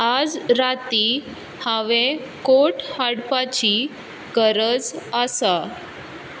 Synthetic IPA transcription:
ad͡zɾat̪i | haʋẽkoʈhaɽpat͡ɕi | ɡəɾəd͡zəsa

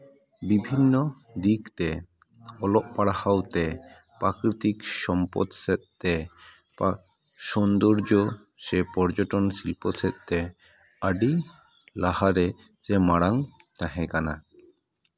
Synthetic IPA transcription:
bibʱinːɔ | d̪ikt̪ɛ | ɔlɔʔpaɽahawt̪ɛ | pakɾit̪ikʃɔmpɔ̰t̪sɛt̪̚ːɛ | pa | ʃɔnd̪ɔɾd͡ʒɔ | ʃɛpɔɾd͡ʒɔʈɔnsilpɔsɛt̪̚ˀt̪ɛ | aɖi | lahaɾɛ | d͡ʒɛmaɽaŋ | t̪aɦɛ̃kana

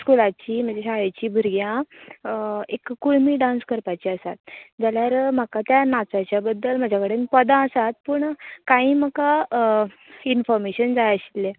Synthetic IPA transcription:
skulat͡ɕiːm̤əɳd͡zeɕajət͡ɕiːbʱuɾɡjã | ekːuɭmiːɖãnskəɾpat͡ɕiəsat̪̚d͡zaljaɾm̤akat̪janat͡sat͡ɕjabəd̪ːəlm̤ad͡ʑʱakəɽenpəd̪ãəsat̪̚pəːɳkaiːm̤əka | infɔɾmeɕənd͡zajəɕi̥lːe

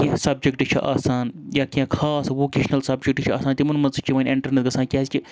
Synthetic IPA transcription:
kĩsɐb̚d͡ʒekʈɨt͡ʃʰḭʔa̰ːsaːnjaːkʲiãkʰaːsʋoːkeːʃnɐlsɐbd͡ʒek̚ʈt͡ʃʰiaːsaːnt̪ʲimɐnmɐnzɨt͡ʃʰiʋɐːnʲiɳʈɐɾnet̪ɡɐsaːnkʲaːskʲi

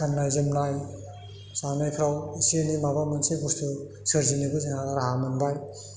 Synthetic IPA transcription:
kannajzɯmnaj | sanajkʰawisinimabamɯnsejbustʰu | sɯɾzinibɯzeŋaɾaɦamɯnbaj

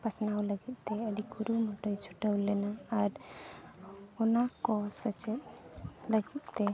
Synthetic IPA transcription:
pasnawləɡit̪̚ˀt̪eəɖikuɾumɔʈəjt͡ʃʰuʈəwlenaːɾ | ɔnakɔsət͡ʃet̪ləɡit̪̚t̪e

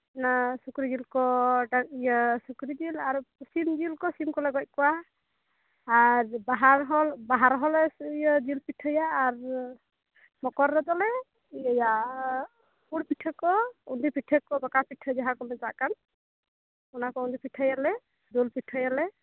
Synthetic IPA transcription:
nasukɾid͡ʒilkɔɖakijəsukɾid͡ʒilaɾsimd͡ʒilkɔsimkɔlɛɡɔc̚ˀkɔwa | ɾbaɦaɾɦɔlbaɦaɾɦɔlɛjəd͡ʒilpiʈʰəjaːɾ | mɔkɔɾːɔd̪ɔlɛ | əja | puɽpiʈʰəkɔund̪ipiʈʰəkɔbakapiʈʰəd͡ʒaɦakɔmɛt̪aʔkan | ɔnakɔund̪ipiʈʰəjalɛ | d̪ulpiʈʰəjalɛ

